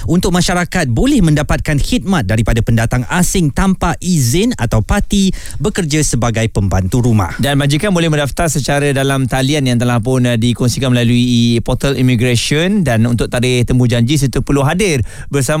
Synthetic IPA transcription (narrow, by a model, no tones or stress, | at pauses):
unt̪ʊk̚maʃaɾakat̪̚bolɛhmə̃ndapat̪̚kanhit̪̚mat̪̚daɾipadapəndat̪aŋasɪŋt̪ampaʔizɪna̰t̪awpat̪i | bəkərd͡ʒasəbaɡajpəmbant̪uɾuma̰hdanmad͡ʒikanbolɛhmə̃ndaft̪arsət͡ʃaɾədalamt̪alianjaŋt̪əlahpʊndikɔŋsikanməlaluipɔt̪əlḭmiɡɾaʃɔndanunt̪ʊk̚t̪aɾɪht̪əmud͡ʒaɲd͡ʒis̬ət̪upəluɦadɪr | bərsam